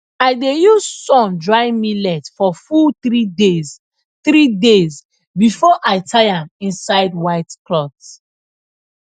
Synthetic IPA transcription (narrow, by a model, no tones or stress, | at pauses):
aɪdejuzsɔ̃mdɹãɪ̃milɛtfɔfuθɹidez | θɾidez | bifɔʔaɪtʰaɪãmĩnsaɪd̚waɪtklɔts